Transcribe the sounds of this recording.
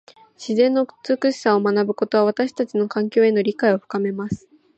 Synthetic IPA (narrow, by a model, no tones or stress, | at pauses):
ɕizẽ̞nːo̞t͡sɨkɯ̟ɕi̥saomanabɯ̟ko̞t̪o̞β̞aβat̪aɕi̥t̪at͡ɕino̞kãŋkʲo̞ːe̞no̞ɾʲikaio̞ɸɯ̟̥kame̞masɨ̥